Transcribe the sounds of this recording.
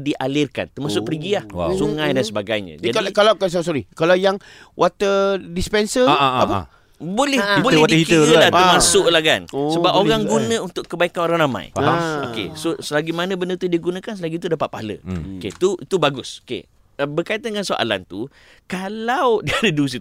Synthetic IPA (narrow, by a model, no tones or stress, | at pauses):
diʔalɪrka̰nt̪ərmasʊk̚pəɾiɡilahwa̰suŋãjdansəbaɡajɲə̰̃d͡ʒadkalakans̬os̬oɾikalawjaŋ | wʔat̪ədispɛnsəapə̰ | bolɛhbolwat̪əitk̪əlaəmasʊʔlahkansəbapoɣaŋɡunnə̃unt̪ʊkːəbaikanoɾaŋrama̰jokḛsosəlaɡimanə̃bəndət̪udiɡunãkansəlaɡit̪udapat̪̚pahalə̰okḛt̪uit̪ubaɡʊso̥kḛ | əbərkait̪anŋansoʔa̰la̰nt̪ṵ | kalawdiadədus̬i